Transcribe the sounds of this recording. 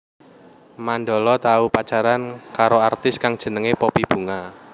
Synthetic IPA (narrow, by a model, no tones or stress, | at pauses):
manɖɔlɔt̪aupat͡ʃaɾankaɾoart̪ɪskaŋd̥ʒ̥ə̤nəŋepɔpib̥ṳŋa